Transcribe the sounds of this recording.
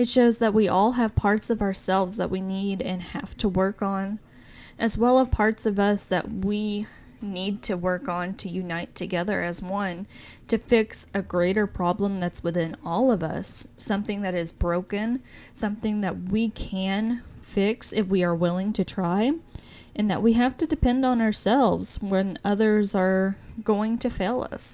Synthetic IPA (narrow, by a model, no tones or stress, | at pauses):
ɨtʃoʊzðɨt̚wiʔɔlˠɨv̥pʰɑɹtsʌvə˞sɛlˠvzðə̰ʔ̚winiɾɨ̃nhæ̰ftʰəwɜ˞kn̩ | ʔɨzwɛlˠəv̥pʰɑɹtsʌvʌsðɨ̰ʔ̚wi | nid̚tʰɨwɜ˞kn̩tʰɨjʉnaɪtʰɨɡɛðə̰˞ʔɨzwʌ̃ntʰɨfɪksɨɡɹeɪɾə˞pʰɹ̥ɑblə̃mðɨtswɨθɪ̃nɔlˠʌvʌ̰sːʌ̃mθɪ̃ŋðɨɾɨzbɹoʊkɨ̃nsʌ̃mθɪ̃ŋðɨt̚wikʰɨ̃nfɪksɨfwiə˞wɪlˠɪ̃ŋtʰɨtʰɹ̥aɪ | ʔɨ̃nðɨ̰ʔ̚wiɦæftɨdɨpʰɛ̃ndn̩ə˞sɛlˠvz̥wɨ̃nʌðə˞zə˞ɡ̥oʊɪ̃ŋtʰɨfeɪlˠʌ̰s